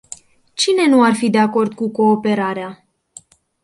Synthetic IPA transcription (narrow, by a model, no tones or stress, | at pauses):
t͡ʃine̞nuarfid̪e̞ako̞rd̪kuko̞ːpe̞ɾaɾea